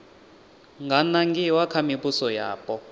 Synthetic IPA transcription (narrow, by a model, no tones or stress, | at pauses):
ŋɡanaŋɡiwakʰamipusɔjaːpʼɔ